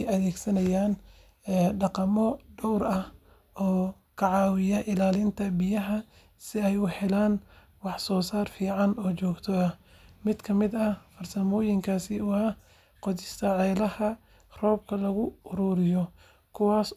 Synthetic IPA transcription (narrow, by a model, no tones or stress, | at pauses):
jɐðɛːɡsɐnɐjaːnː | ɖɑqɑmɔɖɔwɾɐh | ʔɔː | kʰɐʕɑːwɪjɐʔɪlaːlɪnt̪ʰɐbɪjɐɦɐ | sɪɛjʊħɛlaːn | wɑħsɔːsaːrfiːʕɑnɔːt͡ʃɔːɡt̪ʰɔɐ | mɪd̪kʰɐmɪd̪ɐfɐrsɐmɔːjɪŋkʰaːsɪʊaː | qɔðɪst̪ʰɐʕɛlɐhɐ | rɔːb̚kʰɐlɐɣʊʊɾuːɾɪjɔ | kʰʊwaːs